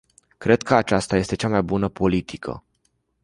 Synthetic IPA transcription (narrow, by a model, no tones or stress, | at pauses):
kɾe̞d̪̚kəat͡ʃast̪aje̞st̪et͡ʃamajbunəpo̞lit̪ʰikʰə̰